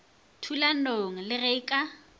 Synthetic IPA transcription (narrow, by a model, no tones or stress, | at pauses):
tʰulanoŋ̩lɪɣekʼa